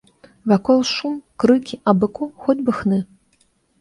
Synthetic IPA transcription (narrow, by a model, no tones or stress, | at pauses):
vakɔlˠʂumkrɨkʲiʔabɨkʰɔxɔdʲbɨxnɨ